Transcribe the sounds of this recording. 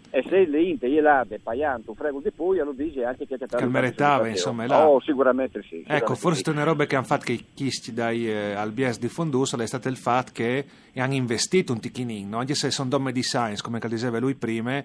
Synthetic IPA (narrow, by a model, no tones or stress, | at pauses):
eseleint̪eielad̪epajant̪ufɾɛːɡuld̪ipujalod̪iːziaŋkekjakːat̪ːakelmeɾisaːvainsomːaɛlsikuɾamɛnt̪esḭɛkkːofoɾse̥t̪eneɾɔːbekeaɱfat̪kejkisc̪id̪ajalbjɛsd̪ifond̪usolɛjst̪at̪ilfat̪ːke | aŋiɱvest̪iːt̪unt̪ikiniŋnɔaŋkesesɔnd̪ɔmːed̪isajnskomekald̪id͡ʒɛːvalujpɾiːme